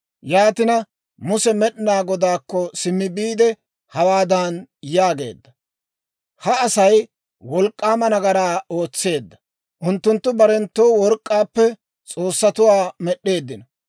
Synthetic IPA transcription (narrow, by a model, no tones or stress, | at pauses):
jaːt̪ɪnɐ | mʊsɛmɛɗɪnaːɡɔd̪aːkːɔsɪmːɪbiːd̪ɛ | hɐwaːd̪aːnjaːɡe̞̰ːd̪ːɐ | hɐɐsɐj | wɔlkʼːaːmɐnɐɡɐɾaːo̞ːt͡sːe̞ːd̪ːɐ | ʔʊnt̪ːʊnt̪ːʊbɐɾɛnt̪ːoːwɔɾkʼːaːpːɛ | t͡sʼo̞ːsːɐt̪ʊwaːmɛɗːe̞ːd̪ːɪnɐ